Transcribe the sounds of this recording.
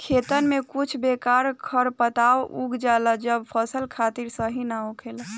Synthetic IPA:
kʰet̪ənmekut͡ʃʰbekaɾkʰəɾpət̪aoʔuɡd͡ʒaləd͡ʒəbpʰəsəlkʰat̪iɾsəɦinaukʰel

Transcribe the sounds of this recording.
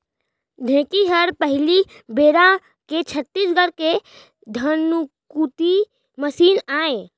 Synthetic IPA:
d̪ʱẽːkiɦəɾpəɦɪli | beːɾã | ket͡ʃʰət̪ːisɡəɾke | d̪ʱənukut̪i | məsiːnaːẽ

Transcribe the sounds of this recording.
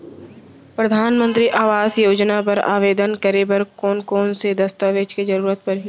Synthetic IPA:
pɾəd̪ʱaːnmə̃nt̪ɾiʔaːʋaːzjoːd͡ʒnapɐɾa̰ːʋeːd̪ənkəɾebɐɾkoːnkoːnsed̪ɐst̪aʋeːd͡ʒkizɐɾuːɾət̪̚pɐɾɦi

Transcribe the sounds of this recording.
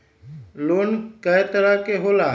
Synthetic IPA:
loːnkəjt̪əɾakeɦoːlaː

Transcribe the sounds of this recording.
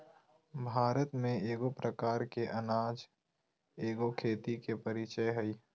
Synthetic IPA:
bʱaːɾət̪mẽeːɡopɾəkaːɾkeʔɐnaːd͡ʒ | eːɡokʰeːt̪ikepəɾit͡ʃəjɦəi

